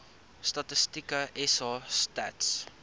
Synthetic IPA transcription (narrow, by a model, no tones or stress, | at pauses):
stɐtəstikəʔɛsɑstæ̰ts